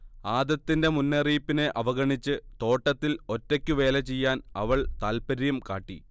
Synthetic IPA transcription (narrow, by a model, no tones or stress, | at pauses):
aːd̪ɐt̪ːinde̞munːeriːpːineʔɐʋɐɣɐɳit͡ɕːɨt̪o̞ːʈːɐt̪ːilo̞tːekʲːuʋe̞ːlɐt͡ɕejːaːnɐʋɐɭt̪aːlpɐɾijɐmka̰ːʈːḭ